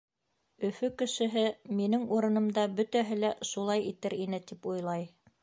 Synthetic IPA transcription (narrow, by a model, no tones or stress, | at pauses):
ɵ̆fɵkɘ̆ʃɘ̆ɦɘminɘŋuɾɤ̆nɤ̆md̪ɑbɵ̆t̪æɦɘl̪æʃulˠɑjit̪ɘɾinɘt̪ipujlˠɑj